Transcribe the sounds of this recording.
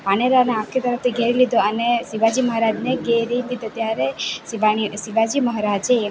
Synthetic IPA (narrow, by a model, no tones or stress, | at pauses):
paneɾaneãkʰit̪əɾəft̪ʰiɡʱeɾilid̪oənesiʋad͡ʒiməɦɾad͡ʒneɡʱeɾilid̪ot̪jaɾesiʋaɽ̃isiʋad͡ʒiməɦɾad͡ʒeː